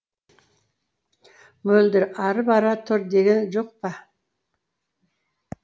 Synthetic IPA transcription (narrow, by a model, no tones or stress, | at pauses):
mɵld̪ɪɾɑɾəpɑɾɑt̪ʰʊɾd̪eɡʲenʒoq̚pɑ